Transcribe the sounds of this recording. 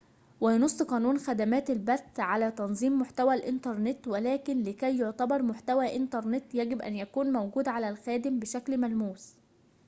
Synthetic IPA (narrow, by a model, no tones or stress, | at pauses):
wɪjnosˤːqɑːnuːnxæd̪æmæːt̪ɪlbæθːʕalæːt̪ɑnzˤiːmːʊħt̪æwælʔɪnt̪ɑɾˤnɪt̪wælæːkɪnlɪkæjːoʕt̪ɑbɑɾˤmʊħt̪æwæːʔɪnt̪ɑɾˤnɪt̪jæɡɪbʔæ̰njækuːnmowɡuːd̪ʕalælxæːd̪ɪmbɪʃæklmælmuːs